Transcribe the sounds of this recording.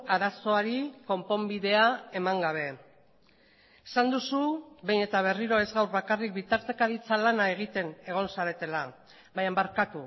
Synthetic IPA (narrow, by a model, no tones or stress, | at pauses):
aɾaso̞aɾiko̞mpo̞mbiðe̞ae̞maŋɡaβ̞e̞ | esand̪usubejne̞t̪aβ̞e̞riɾo̞e̞zɣawɾβakarik̚bit̪aɾt̪e̞kaðit͡salanae̞ɣ̞it̪e̞ne̞ɣ̞o̞nsaɾe̞t̪e̞la | βajambaɾkat̪u